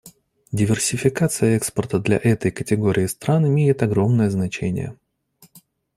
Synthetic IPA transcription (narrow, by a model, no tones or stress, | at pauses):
dʲɪvʲɪrsʲɪfʲɪkat̪sɨjəɛkspərt̪əd̪lʲɐ̰ʔɛt̪əjkətʲɪɡo̞ɾʲɪɪst̪ɾanɪmʲejɪt̪ɐɡɾo̞mnəjəznɐt͡ɕenʲɪ̰jə̰